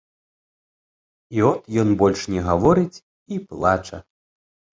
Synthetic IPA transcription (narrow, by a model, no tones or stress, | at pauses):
iɔt̪jɔnbɔlʲʂnʲɛɣavɔɾɨt͡sʲ | iplˠat͡ʂɐ̰